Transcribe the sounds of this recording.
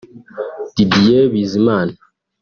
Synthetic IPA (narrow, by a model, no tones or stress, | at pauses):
d̥idijebiziman